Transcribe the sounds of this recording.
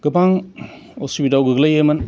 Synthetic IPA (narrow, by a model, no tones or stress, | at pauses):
ɡ̥ɯbaŋ | osibidawɡɯɡlajemɐn